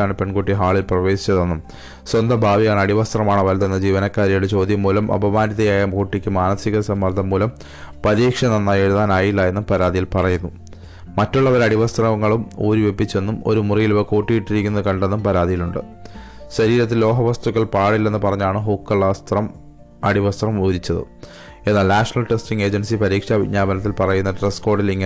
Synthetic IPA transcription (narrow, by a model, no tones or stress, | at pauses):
aːɳɨpe̞ɳɡuʈːiɦaːɭilprɐʋe̞ːsi̥t͡ɕːɐðe̞nːum | swɐnd̪ɐbʱaːʋijaːɳɨɐɽiʋɐst̪rɐmaːɳɨʋɐlt̪enːɐd͡ʑiːʋɐnɐkːaːɾjɐjuɽet͡ɕo̞ːd̪jɐmːuːlɐmʔɐ̰bɐmaːniðɐjaːjɐmkuʈːikʲːɨmaːnɐsiɣɐsɐmːɐrt̪ʰːɐmːuːlɐm | pɐɾiːkʂɐnɐnːɐje̞ɻuðaːnaːjilːaje̞nːumpɐɾaːðijilpɐrɐjunːu | mɐtːuɭːɐʋɐɾɐɽiʋɐst̪rɐŋːɐɭumoːɾiʋe̞pːit͡ɕːe̞nːumo̞̰ɾumurijiluʋɐkoːʈːijiʈːiɾikʲːunːɐðɨkɐɳɖe̞nːumpɐɾaːd̪ijiluɳɖɨ | ɕɐɾiːɾɐt̪ːillːo̞ːɦɐʋɐst̪ukːɐɭpaːɽilːe̞nːɨpɐrɐɲːaːɳɨɦuːkːɐɭːast̪rɐm | ɐɽiʋɐst̪rɐmoːɾit͡ɕːɐðɨ̰ | e̞nːaːlnaːʂɐnɐlʈestiŋɡe̞ːd͡ʑɐnsipɐɾiːkʂabiɲaːbɐnɐt̪̬ːilpɐrɐjunːɐʈresko̞ːrɖiliŋːɐ